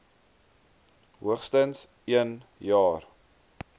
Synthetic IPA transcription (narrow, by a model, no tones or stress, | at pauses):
ɦuəχstəns | iənjɑːr